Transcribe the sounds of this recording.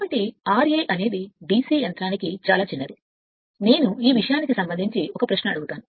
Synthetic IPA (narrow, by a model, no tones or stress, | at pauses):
bɐʈːiaːɾeːʔɐne̞ːd̪ibiːsiːjɐnt̪ɾaːnikit͡ʃaːlaːt͡ʃinːɐɾu | ne̞ːnuiːʋiʂɐjaːnikisɐmbɐnd̪ʱiɲt͡ʃiɔkɐpɾɐʃnɐɐɽuɡut̪aːnu